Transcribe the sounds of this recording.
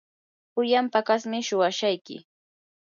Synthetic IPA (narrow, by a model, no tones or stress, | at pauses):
pʊjampakasmɪʃʊwaʃajkɪ̰